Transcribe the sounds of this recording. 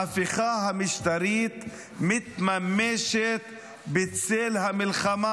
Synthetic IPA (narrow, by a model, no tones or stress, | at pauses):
afiχaɦamiʃt̪aɾit̪ | mit̪mameʃet̪ | bet͡selhamilχama